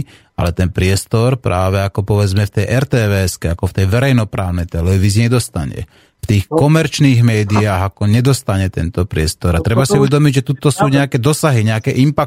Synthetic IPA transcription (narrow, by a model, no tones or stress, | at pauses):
a̰lɛt̪ɛnpɾɪɛst̪ɔɾpɾaːʋɛakɔpɔʋɛd͡zmɛft̪ɛjʔɛɾt̪ɛːʋɛːɛskɛakɔft̪ɛjʋɛɾɛjnɔpɾaːʊnɛjt̪ɛlɛʋiːziɲɛd̪ɔst̪a̰ɲɛ̰ | ft̪iːxkɔmɛɾt͡ʃniːɣmɛːd̪iaːɣakɔɲɛd̪ɔst̪aɲɛt̪ɛnt̪ɔpɾɪɛst̪ɔɾat̪ɾɛbasiuʋɛd̪ɔmiɟʒɛt̪ut̪ɔsuːɲɛakɛd̪ɔsaɦiɲɛakɛʔimpak